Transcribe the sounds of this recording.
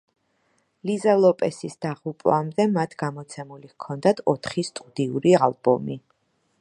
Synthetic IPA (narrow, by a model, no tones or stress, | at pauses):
lizalˠɔpʼɛsisd̪̥aʁupʼwamd̪ɛmat̪ʰɡamɔt̪sʰɛmulikʰɔnd̪at̪ʰɔt̪ʰχist̪ʼud̪iṵɾialˠbɔ̰mi